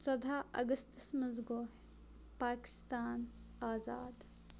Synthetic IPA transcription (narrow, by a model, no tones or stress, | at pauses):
sɐd̪ʱaːɐ̰ɡɐst̪ɐsmɐzɡoːɦ | paːkɪ̥st̪aːnaːzaːd̪